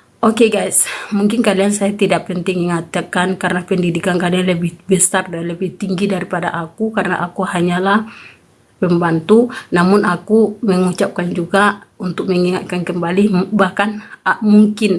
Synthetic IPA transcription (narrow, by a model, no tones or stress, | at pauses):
ʔokeɡajsmuŋkɪnkaliansajat̪idaʔpɛnt̪ɪŋiŋat̪akankaɾənapɛndidikankalianləbɪhbəst̪ardanləbɪht̪iŋɡidaɾipada̰ʔakukarəna̰ʔakuhaɲalah | pɛmbant̪unamʊnʔakuməŋut͡ʃap̚kand͡ʒuɡaunt̪ʊk̚məŋiŋa̰t̪̚kankəmbalibahkanmuŋkɪn